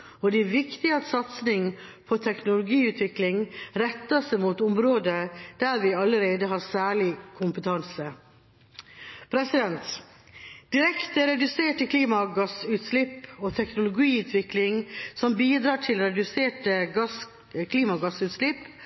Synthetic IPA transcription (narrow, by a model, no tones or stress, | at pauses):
ɔd̪ɪʋɪkt̪ɪɑt̪sɑt̪snɪŋpʰɔt̪ʰɛknʊlʊɡiːʉːt̪ʰʋɪklɪŋɾɛt̪ːəsəmuːt̪ʊmɾoːd̪əd̪̥æːɾʋɪɑləɾeɪd̪əɦɑːɾsæːɭɪkʰʊmpət̪ʰɑnsə | pʰɾɛsɪd̪ɛnt̪ | d̪̥ɪɾɛkt̪əɾɛd̪ʉseːʈəkʰliːmɑɡɑsʉːt̪slɪpːot̪ʰɛknʊlʊɡiːʉːt̪ʰʋɪklɪŋsɔmbiːd̪ɾɑːʈʰɪlɾɛd̪ʉseːʈəɡɑs | kʰliːmɑɡɑsʉːt̪slɪpː